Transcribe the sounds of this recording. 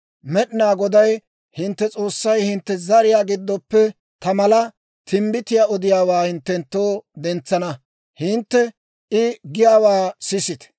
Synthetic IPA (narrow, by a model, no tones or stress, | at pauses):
mɛɗɪnaːɡɔd̪ɐj | hɪnt̪ːɛt͡sʼo̞ːsːɐjhɪnt̪ːɛzɐɾɪjaːɡɪd̪ːɔpːɛ | t̪ɐmɐlɐ | t̪ʰɪmbɪt̪ɪjaːɔd̪ɪjaːwaːhɪnt̪ːɛnt̪ːo̞ːd̪ɛnt͡sːɐnɐ | hɪnt̪ːɛ | ɪɡɪjaːwaːsɪsɪt̪